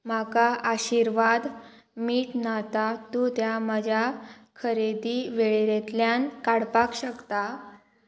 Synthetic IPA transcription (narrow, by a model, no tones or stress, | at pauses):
makaʔaɕiɾʋad̪ | miːʈnat̪at̪ũt̪jaməd͡ʑʱjakʰəɾed̪iʋeɭeɾet̪ljankaɽpakɕəkt̪a